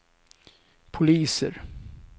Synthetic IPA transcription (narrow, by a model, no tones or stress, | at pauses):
pʰʊliːsə̰ɾ